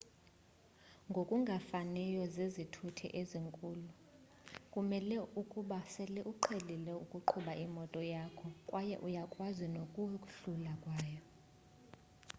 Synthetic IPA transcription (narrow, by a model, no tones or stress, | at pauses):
ŋɡʱokʼuŋɡʱafanɛjɔzezitʰutʰɛ̰ʔeziŋkʼuːlu | kʼumɛlɛukʼuɓasɛlɛʔuǃʰelilɛukʼuǃʰuɓaʔimɔtʼɔjakʰɔkʼwʔajɛ̰ʔujakʼwazinokʼuɬulakʼwaːjɔ